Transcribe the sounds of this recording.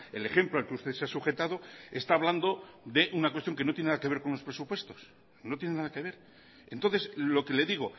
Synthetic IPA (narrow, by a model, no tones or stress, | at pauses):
ele̞χe̞mploalkeust̪eseasuχe̞t̪að̞o̞est̪aːβland̪o̞ðe̞ʔunakwest̪jo̞ŋke̞not̪jennaðake̞βeɾko̞nlos̬pɾe̞supwe̞st̪o̞s | not̪jenenaðake̞β̞e̞ɾ | ent̪o̞nθe̞sloke̞le̞ðiɣ̞o